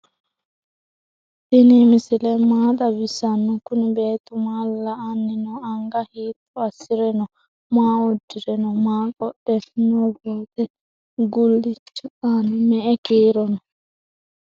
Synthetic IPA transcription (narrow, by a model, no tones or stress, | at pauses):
t̪inimisilɛmaːɗabisanːɔkunibeːt̪umalːaːnːinɔaŋɡahiːt̪ːɔasiɾɛnɔ | maːɔdːiɾɛnɔmaːkʼɔɗɛnɔbɔt̪ɛ | ɡulːit͡ʃːɔanimɛɛkiːɾɔnɔ